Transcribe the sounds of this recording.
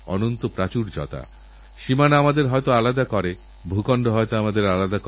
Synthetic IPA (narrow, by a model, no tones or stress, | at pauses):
ɔ̰nont̪opɾat͡ɕuɾd͡ʑɔ̰t̪a̰ | ʃimanamad̪eɾɦɔet̪oalad̪akɔɾe | bʱukɔɳɖoɦɔjt̪oamad̪eɾalad̪ak